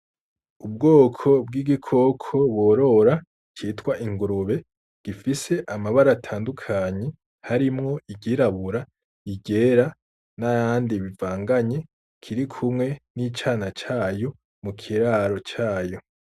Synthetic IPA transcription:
ub̚ɡoːkʰo̞b̚ɡiɡikʰo̞kʰo̞βwoɾo̞ɾa | t͡ʃiːtwaʔiŋɡuɾuβe̞ | ɡ̥ifise̞ʔamaβaɾatʰaːndukʰaɲe̞ | haɾimŋo̞iɟiɾaβuɾa | iɟe̞ɾa | najaːndiβivaːŋɡaɲe̞ | kʰiɾikʰumŋe̞nit͡ʃaːnat͡ʃaːjo̞ | mukʰiɾaːɾo̞t͡ʃaːjo̞

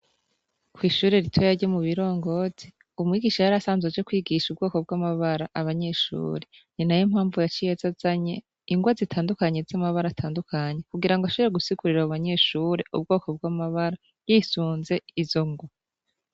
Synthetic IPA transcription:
kwiːʃuːɾe̞ɾitʰwojaɾɟomuβiɾo̞ːŋɡo̞z̥i | umŋiːɡiʃajaɾasaːnzwed͡ʒekwiːɡiʃub̚ɡo̞ːko̞b̚ɡwamaβaɾaʔaβaɲe̞ːʃṵːɾe | ninajim̥haːɱvujat͡ʃijezazaɲe̞ | iŋɡwazitʰaːndukaɲe̞z̥amaβaɾatʰaːndukaɲe̞kuɡiɾaŋɡoaʃoβeɾeɡusikuɾiɾauβaɲe̞ːʃuːɾe̞ʔṵb̚ɡo̞ːko̞b̚ɡamaβaɾa | jiːsuːnze̞izo̞ŋɡwa

